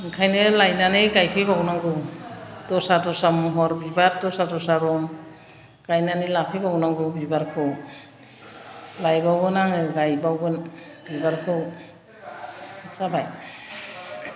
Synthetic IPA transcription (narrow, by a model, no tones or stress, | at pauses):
ŋkʰajnɯlajnanɯɡajpʰibawnaŋɡɯtɔsatɔsamɔɦɔɾbibaɾtɔsatɔsaɾɔŋ | ɡ̥ajnanilapʰijbawnaŋɡɯbibaɾkʰɯw | lajbawɡɯnaŋɯɡajbawɡɯnbibaɾkʰɯw | sabaj